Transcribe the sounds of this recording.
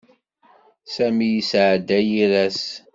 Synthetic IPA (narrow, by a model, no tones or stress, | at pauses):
sæmijisʕd̪ːæjiɾæs